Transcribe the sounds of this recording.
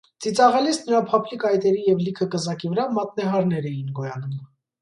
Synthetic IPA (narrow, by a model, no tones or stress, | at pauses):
t͡sit͡sɑʁɛlisnəɾɑpʰɑpʰlikɑjt̪ɛɾijɛvlikʰəkəzɑkivəɾɑmɑt̪̚nɛɦɑɾnɛɾɛjinɡɔjɑnum